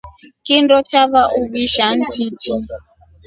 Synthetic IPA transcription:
kindɔt͡ʃaβaʔuβiʃand͡ʒit͡ʃi

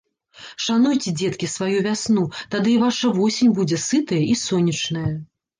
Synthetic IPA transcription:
ʂanujt͡sʲɛd͡zʲɛt̪kʲisvajuvʲasnut̪ad̪ɨvaʂɐvɔsʲenʲbud͡zʲɛsɨt̪ɐjɐʔisɔnʲːɐt͡ʂnɐjɐ

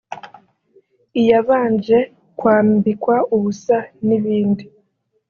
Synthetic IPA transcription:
ijaβaːnd͡ʒe̞ | kwaːmbikwauβusaniβiːndi

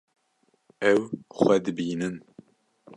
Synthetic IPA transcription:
ɛwxʷɛd̪ɨbiːnɨn

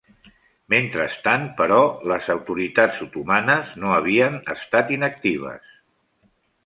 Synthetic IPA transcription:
ment̪ɾəst̪anpəɾɔləzəwt̪uɾit̪azut̪umanəznoəβ̞iənəst̪at̪inək̚t̪iβ̞ə̰s

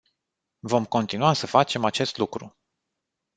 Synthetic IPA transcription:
vo̞mko̞nt̪inuasəfat͡ʃe̞mat͡ʃe̞st̪lukɾu

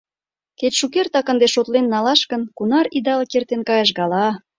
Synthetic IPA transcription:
ket̪ʃukert̪ɑkə̆nd̪eʃot̪lenːɑlɑʃkə̆nkunɑɾid̪ɑlkert̪enkɑjəʃ̬ɡɑlɑ

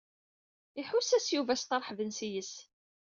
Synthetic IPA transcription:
iħusæsjuvæst̪əɾˤħvənsijəs

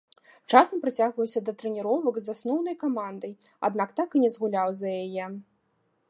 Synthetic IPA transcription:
t͡ʂasɐmpɾɨt͡sʲaɣvɐwsʲɐd̪ɐt̪ɾɛnʲiɾɔvɐɡzasnɔwnɐjkamand̪ɐj | a̰d̪nakt̪akɨnʲɛzɣulʲawzɐjajɛ

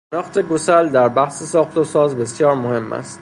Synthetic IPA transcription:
enɒːxt̪ʰe̞ɡosæld̪æɾbæhsesɒːxt̪osɒːzbe̞sjɒːɾmohe̞mːæ̰st̪

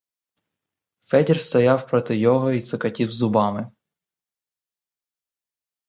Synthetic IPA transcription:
fɛdʲirst̪ɐjawpɾɔt̪ɪjɔɦɔit̪sɐkɐtʲiwzʊbɑmɪ

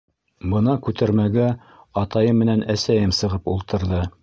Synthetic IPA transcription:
bɤ̆nɑkʉt̪æɾmæɡæ | ɑt̪ɑjɤmːɘ̆nænæsæjɘmsɤ̆ʁɤpulˠt̪ɤ̆ɾðɤ

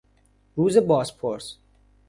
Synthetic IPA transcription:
ɾuːzebɒːspʰoɾs

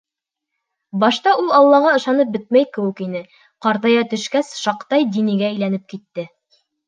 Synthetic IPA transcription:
bɑʃt̪ɑʔulˠɑlˠːɑʁɑɤ̆ʃɑnɤp̚bɘt̪̚mæjkɘ̆wɘkinɘ | qɑɾt̪ɑjɑt̪ɵ̆ʃkæsʃɑqt̪ɑjd̪iniɡææjlænɘp̚kit̪ːɘ

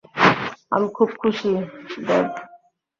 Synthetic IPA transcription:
a̰mikʰub̚kʰuʃib̪ɛb

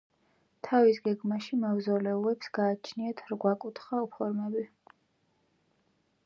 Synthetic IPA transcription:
t̪ʰavisɡɛɡmaʃimavzɔlɛulɛpsɡ̥aːt͡ʃʰniat̪ʰɾɡwakʼut̪ʰχaupʰɔɾmɛbi

